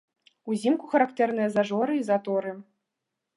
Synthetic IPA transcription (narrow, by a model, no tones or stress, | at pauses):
uzʲimkuxɐɾakt̪ɛrnɨjɐzaʐɔɾɨizat̪ɔɾɨ